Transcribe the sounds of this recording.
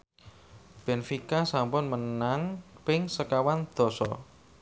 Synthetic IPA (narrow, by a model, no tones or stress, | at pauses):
b̥e̤nfikasampʊnmənaŋpɪŋsəkawand̪̥ɔ̤sɔ̰